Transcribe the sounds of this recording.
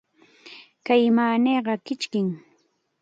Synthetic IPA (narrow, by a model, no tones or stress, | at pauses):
kajmaːneːɢɑkɪt͡ʃkɪŋ